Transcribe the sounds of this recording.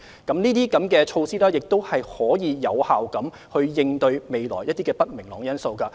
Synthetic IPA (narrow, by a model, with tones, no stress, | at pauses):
kɐ˨˥mniː˥t̪iː˥kɐ˨˥mkɛː˧t͡ʃʰo˧wsiː˥lɛː˥jɪ˨k̚t̪o˥whɐ˨jhɔː˨˥jiː˨˧jɐ˨˧whaː˨wkɐ˨˥m | hɵ˧ɥjɪ˧ŋt̪ɵ˧ɥme˨˧jlɔ̰ː˨˩jɐ˥t̚t̪iː˥kɛː˧pɐ˥t̚mɪ˨˩ŋlɔ̰ː˨˩ŋjɐ˥nso˧wkɐː˧